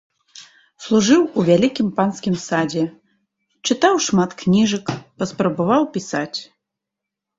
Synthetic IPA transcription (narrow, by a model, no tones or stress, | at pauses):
slˠuʐɨwuvʲalʲikʲimpanskʲimsad͡zʲɛ | t͡ʂɨt̪awʂmat̪knʲiʐɐkpɐspɾɐbavawpʲisat͡sʲ